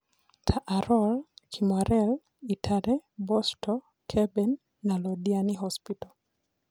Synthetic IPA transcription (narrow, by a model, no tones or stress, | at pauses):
tʰaʔaɾɔlkʰimaɾʔɛl | itʰaɾɛbɔstʰɔ | kʰɛbɛnː | alɔdianiɦɔspitɔ